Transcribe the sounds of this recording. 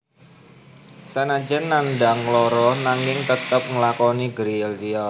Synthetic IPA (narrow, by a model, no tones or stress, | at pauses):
sanad͡ʒənːanɖaŋlɔɾɔnaŋɪŋt̪ət̪əp̚ŋəlakɔniɡɾiɛld̪iɔ